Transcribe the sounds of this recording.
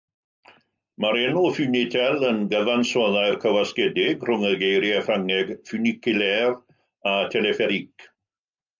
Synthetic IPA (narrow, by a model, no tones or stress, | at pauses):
maɾɛnufynɪtʰɛlˠənɡəðansɔðaɨrkʰəwaskɛdɪɡr̥ʊŋəɡejɾjɛfraŋɛɡfynɪkɪlɛv | atʰɛlɛfɛɾik